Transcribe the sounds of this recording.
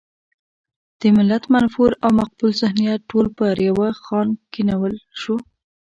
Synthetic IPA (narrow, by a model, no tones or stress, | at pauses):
d̪̥əmɪlːat̪manfuɾawmaq̚bʊlzɪhnijat̪̚ʈːolpəɾjawaxɑnkinawəlʃu